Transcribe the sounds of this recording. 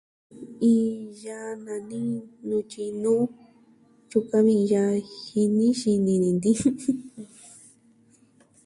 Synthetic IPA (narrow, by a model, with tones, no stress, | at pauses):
i˧ja˧nã˧nĩ˦nũ˧t͡ʃi˧nũː˦ | ju˧ka˧βĩ˧ja˧hi˧nĩ˦ʃi˧nĩ˧nĩ˨nd̪i˦